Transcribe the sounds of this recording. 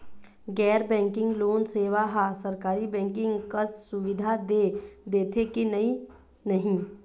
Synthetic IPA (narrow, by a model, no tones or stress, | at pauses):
ɡɛːɾbɛ̃ːŋkɪ̃ŋɡloːnseːʋaɦasɐɾkaːɾibɛ̃ːŋkɪ̃ŋɡkasʊʋɪd̪ʱad̪eːd̪eːt̪ʰekinɐɦĩ | nɐɦĩ